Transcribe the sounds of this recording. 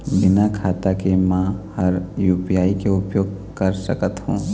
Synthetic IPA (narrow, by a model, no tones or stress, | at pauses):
bɪnakʰaːt̪akemãhɐɾjuːpijaːikeʊpjoːɡ̚kɐɾsɐkət̪hṵ̃ː